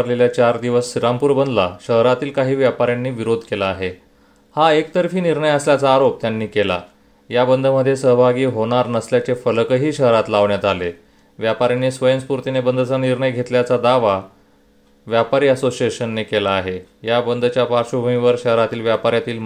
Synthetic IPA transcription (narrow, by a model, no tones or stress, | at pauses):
ɾleljat͡ɕaɾd̪iʋəsːiɾampuːɾbənd̪laɕəɦɾat̪iːlkaɦiːʋjapaɾjanːiːʋiɾod̪ʱkelaːɦe | haekt̪əɾfiːniɾɳəjəsljat͡saːɾop̚t̪janːiːkela̰ | jabənd̪ʱəməd̪ʱːjesəɦbʱaɡiːɦoɽ̃aɾnəsljat͡ɕefələkəɦiːɕəɦɾat̪laʋɳjat̪ale | ʋjapaɾjanːiːsʋəjənspuɾt̪inebənd̪ʱət͡saniɾɳəjɡʱet̪ljat͡sad̪aʋa | ʋjapaɾiːəsosijeɕənːekelaːɦejabənd̪ʱt͡ɕjapaɾɕubʱəmĩʋəɾɕəɦɾat̪iːlʋjapaɾjat̪iːl